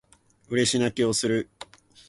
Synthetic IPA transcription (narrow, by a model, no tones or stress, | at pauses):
ɯ̟ɾe̞ɕinakʲio̞sɨɾɯ̟